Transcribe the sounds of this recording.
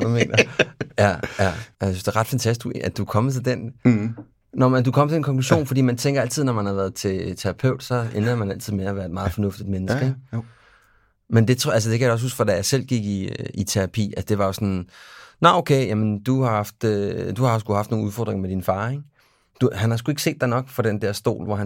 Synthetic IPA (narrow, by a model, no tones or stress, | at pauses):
d̥ume̝̰ːnɐjæjææsysd̥eʁɑ̈d̥fænt͡sʰæsd̥æd̥ukʰɒ̽mət͡sʰe̝ld̥en | nɒmæd̥ukʰɒ̽m̰t͡sʰeenkʰɒ̽ŋkʰluɕo̝̰ːnfɒdḭːmænt͡sʰeŋɡ̥ɐæl̰t͡sið̞̰ˠnɒmænhɑ̈ʋæːɐð̩ˠt͡sʰe̝t͡sʰeʁɑ̈pʰøʊ̰d̥sɒ̽enɐmænæl̰t͡sʰiðˠmeæʋæːɐed̥mɑ̈ːð̩ˠfɒ̽nɔ̽fd̥id̥menəsɡ̥əeɡ | mend̥e̝t͡sʰælsəd̥e̝kʰæjaɒ̽s̬husɡ̥fɒd̥æjɑ̈ɪsel̰ɡ̥iɡ̥iit͡sʰe̝ʁɑ̈pʰḭːæd̥e̝ʋɑ̈jo̝sɒ̽nnɑoʊkʰeɪjæmənd̥uhɑ̈hɑ̈fd̥d̥uhɑ̈ɒsɡ̥uhɑfd̥no̝ːn̩uðˠfɒ̰ːd̥ʁeŋɐmed̥infɑ̈ːeŋ | d̥uhænhɑ̈sɡ̥ue̝ɡ̥əse̝̰ːd̥ɑɪnɒ̽ɡ̥fɒɾ̥end̥ɛɐ̰sd̥o̝̰ːlʋɒhæ